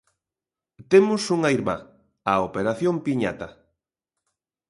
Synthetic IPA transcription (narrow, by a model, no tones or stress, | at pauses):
t̪emʊsuŋaijɾma̰ | aopeɾaθjompiɲa̰t̪ɐ